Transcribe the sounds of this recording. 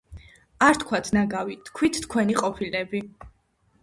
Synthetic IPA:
aɾt̪ʰkʰwat̪ʰnaɡavit̪ʰkʰwit̪ʰt̪ʰkʰwɛniqʼɔpʰilɛbi

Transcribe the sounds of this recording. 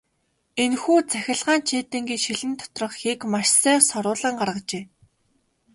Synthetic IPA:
enxuːt͡sæxʲɪ̆ɮʁaːnt͡ɕʰeːt̪ɘ̆ŋɡiːʃiɮɘ̆nt̪ʰɔ̥t̪rɞ̆χxekmaʃsæːsɔɾʊːɮə̆ɴɢarʁə̆t͡ɕeː

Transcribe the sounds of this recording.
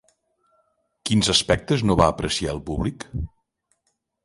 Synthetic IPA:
kinzəspɛk̚t̪əznoβaəpɾəsiaəlˠpuβlik

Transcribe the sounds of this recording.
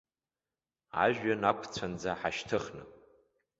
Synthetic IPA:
a̰ʒᶣanakʷʰt͡sʷʰand͡zaħaʃtʰɨχnɨ̰

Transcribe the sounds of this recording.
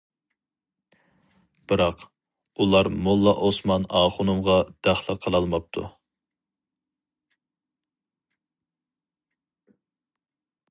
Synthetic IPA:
b̥ɨɾɑq | ulˠɑɾmulˠːɑʔosmɑnɑːχʊnumʁɑd̪̥æχlˠəqʰəlˠɑlˠmɑp̚t̪ʰu

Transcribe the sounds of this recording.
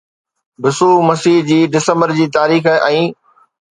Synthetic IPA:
bɪsuːmɐsiːɦd͡ʑiːɖɪsə̃mbəɾd͡ʑiːt̪aːɾiːxʔɛ̃ː

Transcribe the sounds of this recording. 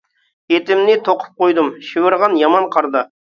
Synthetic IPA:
jet̪ɪmnɪt̪ʰoqʰə̥p̚qojd̪ɨmʃiwɪɾʁɑnjɑmɑnqʰɑɾd̪ɨ

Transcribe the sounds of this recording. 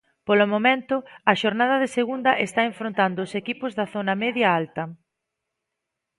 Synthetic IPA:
polʊmomẽnt̪ʊɐʃoɾnað̞ɐðeseɣund̪ɐʔest̪aeɱfɾont̪and̪ʊːsekipʊzðɐθonɐmeðjɐalt̪ɐ

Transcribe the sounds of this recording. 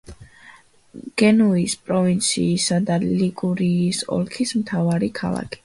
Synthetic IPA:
ɡ̥ɛnuispʼɾɔvint̪sʰḭːsad̪aliɡʼuɾiːsɔ̰lkʰismt̪ʰavaɾikʰa̰lˠa̰kʰi̥

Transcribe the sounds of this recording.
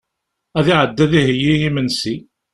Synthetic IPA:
æðiʕəd̪ːæðiɦjːijimənsi

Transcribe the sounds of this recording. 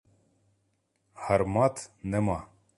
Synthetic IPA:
hɐɾmɑːt̪ʰnɛmɑ

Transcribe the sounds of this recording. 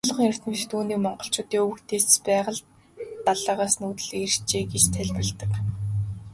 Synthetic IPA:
ɮɞ̆χiɾɘ̆r̥t̪mɘ̆ʃt̪uːniːkmɔɴɢɞ̆ɬt͡ɕʊːt̪iːŋɵwɘ̆kt̪ʰeːt͡spæːʁə̆ɮ | aɮaːʁaːsnuːt̪ɘ̆ɮ̆er̥t͡ɕeːɡet͡ɕt̪ʰæɮpə̆ɮt̪ə̆k

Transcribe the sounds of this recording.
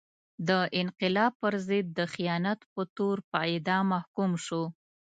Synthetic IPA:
d̪əʔɪnqɪlɑb̚pəɾzɪd̪̚ːəxijɑnat̪pət̪oɾpəɪd̪ɑmahkumʃo

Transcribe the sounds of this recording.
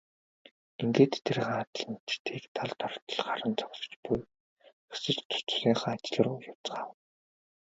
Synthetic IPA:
iŋɡeːt̪ʰːerχaat̪̆ɮ̆nt͡ɕt̪ʰiːkt̪ʰaɮt̪ɔr̥t̪ə̆ɮɢaɾə̆nt͡sɔksɞ̥̆t͡ɕpuj | xesɘ̆t͡ɕt̪ʰʊ̥t͡sriːŋχaːat͡ɕɪ̆ɮə̆rʊːjawt͡sɢaːw̪

